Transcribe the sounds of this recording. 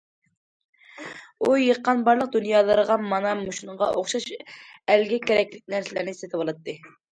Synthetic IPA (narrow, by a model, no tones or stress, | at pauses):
ujəqːɑnbɑɾlˠəq̚d̪unjɑːlˠəɾəʁɑmɑnɑmuʃunɴʁɑ̰ʔoχʃɑʃælɡʲɛkʲɛɾɛkʲlɪk̚ʲnæɾsɪlæɾnɪset̪ʰɪbolˠɨt̪ːɨ